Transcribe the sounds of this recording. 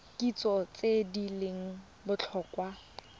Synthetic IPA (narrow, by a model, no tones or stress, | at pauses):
kʼit͡sʼɔt͡sʼedileŋ̩ | bʊt͡ɬʰɔːkwa